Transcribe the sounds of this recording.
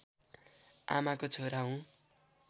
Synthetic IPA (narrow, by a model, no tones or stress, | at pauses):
a̰makot͡sʰoɾaɦũ